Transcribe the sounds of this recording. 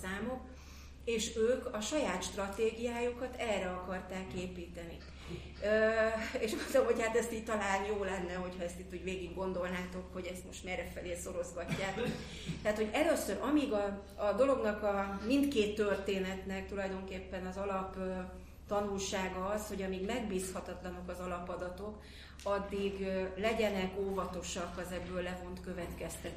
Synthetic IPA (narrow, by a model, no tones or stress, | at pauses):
aːmo̞k | eːʃøːkɒʃɒjaːt̪ʃt̪rɒt̪eːɡijaːjukɒt̪ɛrːɛɒkɒrt̪aːkeːpiːt̪ɛnḭ | eːʃɡod̪olomho̞chat̪ɛst̪iːc̚t̪ɒlaːnjoːlɛnːɛɦo̞chɒɛst̪it̪ːuːɟveːɡiɡɡo̞nd̪o̞lnaːt̪o̞kho̞ɟɛst̪mo̞ʃt̪mɛɾɛfɛleːso̞ɾo̞zɡɒcːaːt̪o̞k | t̪ɛɦat̪ho̞ɟɛløsøɾʔɒmiɡɒː | d̪o̞lo̞ɡnɒkɒmint̪keːt̪ːørt̪eːnɛt̪nɛk̚t̪ulɒjd̪o̞ŋkeːpːɛnɒzɒlɒp | t̪ɒnulʃaːɡɒɒsho̞ɟɒmiɡmɛɡbiːshɒt̪ɒt̪lɒnokɒzɒlɒpɒd̪ɒt̪o̞k | ɒd̪ːiɡlɛɟɛnɛkoːvɒt̪o̞ʃɒkːɒzɛɡbːøːlːɛvo̞nt̪kø̞vɛt̪kɛst̪ɛt̪